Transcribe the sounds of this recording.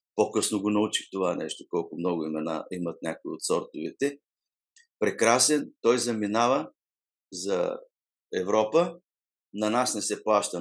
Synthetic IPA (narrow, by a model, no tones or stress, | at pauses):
pokɤsnoɡonɐut͡ʃixt̪ovanɛʃt̪okɔlˠkʊmnɔɡʊimɛna̰imɐt̪̚nʲakoḭot̪sɔɾt̪ʊvḭt̪ɛ | pɾɛkɾasɛnt̪ɔjzɐminavə | zɐ̰ | ɛvɾɔpə | nɐnasnɛsɛplˠaʃt̪ə